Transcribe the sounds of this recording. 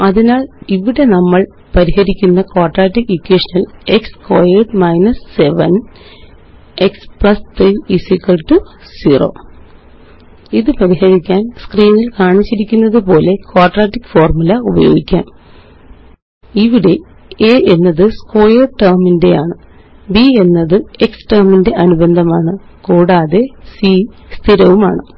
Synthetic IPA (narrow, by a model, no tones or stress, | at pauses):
ɐðinaːɭiʋiɽe̞nɐmːɐɭ | pɐɾihɐɾikʲːunːɐkoːrʈraːʈːikikːeːʂɐnɐle̞kskoːjeːɖmɐjnɐsːe̞ʋɐn | e̞kspɭɐst̪riisikːɐlʈu | siːro̞̰ː | iðɨpɐɾihɐɾikʲːaːnskriːnilkaːɳit͡ɕːiɾikʲːunːɐðɨpo̞ːle̞kwaːrʈraːtːikːfoːrmulɐubɐ̰jo̞̰ːɡikʲːa̰ːm | iʋiɽe̞ | eːenːɐðɨsko̞ːjɐrʈɐrminde̞jaːɳɨ | bie̞nːɐðɨeksʈɐrminde̞ʔɐnubɐnd̪ʱɐmaːɳɨ | kuːɽaːðe̞sist̪ʰiɾɐʋuma̰ːɳɨ